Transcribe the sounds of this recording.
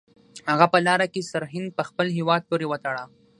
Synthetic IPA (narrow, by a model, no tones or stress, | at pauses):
haɣapəlɑɾakesaɾɦɪnd̪̚pəxpəlɦewɑd̪̚poɾewət̪aɽa